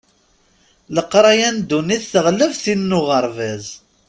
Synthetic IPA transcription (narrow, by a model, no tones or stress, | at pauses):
ləqːɾˤɑjænd̪uniθθəʁləvθinːʊʁəɾˤvæz